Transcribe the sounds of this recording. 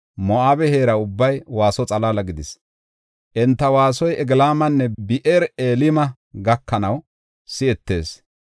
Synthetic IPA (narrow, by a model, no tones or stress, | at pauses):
mɔʔaːbɛheːɾɐʊbːɐjwaːsɔt͡sʼɐlaːlɐɡɪd̪ɪs | ʔɛnt̪ːɐwaːsɔjɛɡlaːmɐnːɛbɪʔeːɾeːlɪmɐ | ɡɐkːɐnɐw | sɪɛt̪ːe̞̰ːs